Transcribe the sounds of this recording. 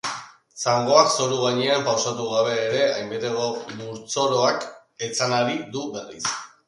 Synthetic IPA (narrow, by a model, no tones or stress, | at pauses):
saŋɡo̞akso̞ɾuɣ̞aɲeampawsat̪uɣ̞aβ̞e̞ːɾe̞ajmbe̞t̪e̞ɣomuɾt͡so̞ɾo̞ak | e̞t͡sanaɾid̪uβe̞rḭs